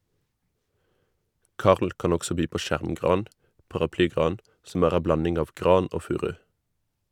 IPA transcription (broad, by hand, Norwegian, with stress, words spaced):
ˈkɑːʁl ˈkɑːn ˈɔɡsɔ ˈbyː ˈpoː ˈʃæʁmˌɡʁɑːn pɑʁɑˈplyːˌɡʁɑːn sm̩ ˈæːʁ ˈæ ˈblɑnɪŋ ˈɑːʋ ˈɡʁɑːn ˈoː ˈfʉːʁʉ